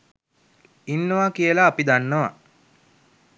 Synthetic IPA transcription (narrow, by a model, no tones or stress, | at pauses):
inːəʋakijəlaːpid̪anːəʋa